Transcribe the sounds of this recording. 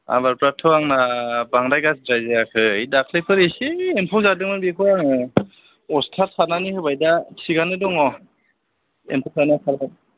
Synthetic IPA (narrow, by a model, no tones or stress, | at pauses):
a̰baɾpɾatʰɯwaŋnabaŋɾajɡasdɾajzejakʰɯjdakʰlekʰɯɾesiempʰawzadɯŋmɯnbikʰɯaŋɯ | ɔstʰaɾsananihɯbajdasʰiɡanɯdɔŋɔ | ḛmpʰawzanasʰaɾkʰan